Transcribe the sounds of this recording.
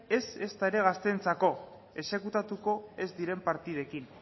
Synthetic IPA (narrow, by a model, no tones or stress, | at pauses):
e̞se̞st̪aeɾe̞ɣ̞ast̪e̞nt͡sako̞ | e̞se̞kut̪at̪uko̞e̞zd̪iɾe̞mpaɾt̪ið̞e̞kin